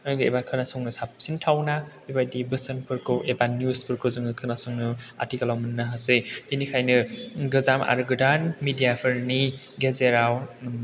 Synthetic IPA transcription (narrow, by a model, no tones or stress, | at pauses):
ɔjɡɯḛbakʰɯnasɔŋnɯsap̚sintʰawnabebajdibɯsənpʰɯɾkʰɯwʔebanjuspʰɯɾkʰɯzɯŋɯkʰɯnasɔŋnɯa̰tʰikalawmɯnːaɦasehinikʰajnɯɡɯzama̰ɾɯɡɯdanmidijapʰɯɾni | ɡezeɾaw